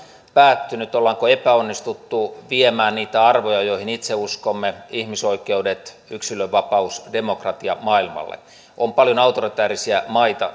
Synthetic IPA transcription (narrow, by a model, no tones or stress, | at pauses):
pæːt̪ːynyt̪olːɑŋkoepæonːist̪ut̪ːuʋiemæːnniːt̪æɑrʋojɑjoihinit̪seuskomːeihmisoikeudet̪ | yksiløʋʋɑpɑusdemokrɑt̪iɑ̰mɑilmɑ̰lːḛ | ʔompɑljonɑut̪orit̪æːrisiæmɑit̪ɑ̰